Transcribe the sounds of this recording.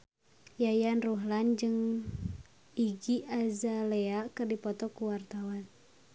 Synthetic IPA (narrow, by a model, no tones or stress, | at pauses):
jajanruɦland͡ʒɨŋ | iɡiʔazaleakɨrdipɔt̪ɔkuwart̪awan